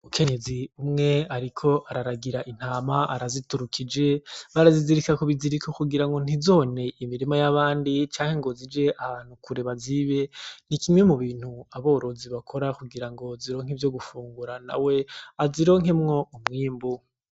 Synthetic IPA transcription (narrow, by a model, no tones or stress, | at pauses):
ukʰe̞ɲe̞ziumŋe̞aɾikʰo̞ʔaɾaɾaɡiɾaʔin̥aːmaaɾazituɾukʰid͡ʒe̞βaɾaziziɾikakoβiziɾikokuɡiɾaŋɡo̞n̥izo̞ne̞ʔimiɾimajaβaːndit͡ʃaːŋ̥he̞ŋɡo̞zid͡ʒe̞ʔaβaːn̥hukuɾe̞βaziβe̞nikimŋe̞muβiːn̥huaβo̞ːɾo̞ziβakʰo̞ɾakuɡiɾaŋɡo̞ziɾo̞ːŋ̥ivjoɡufuːŋɡuɾana̰we̞aziɾo̞ːŋɦe̞mŋo̞umŋiːmbu